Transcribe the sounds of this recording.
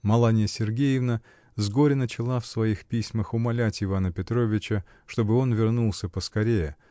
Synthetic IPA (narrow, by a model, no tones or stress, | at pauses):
mɐlˠanʲɪjəsʲɪrɡʲejɪvnə | zɡo̞ɾʲɪnət͡ɕɪlˠafsvɐixpʲisʲməxʊmɐlʲætʲɪvanəpʲɪt̪ɾovʲɪt͡ɕə | ʂt̪o̞bɨo̞nvʲɪrnulˠsʲəpəskɐɾʲejə